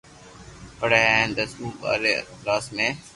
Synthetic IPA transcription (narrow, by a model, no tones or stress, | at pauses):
pəɽeːẽnd̪əsuːba̰ːɾeːɾaːsmẽː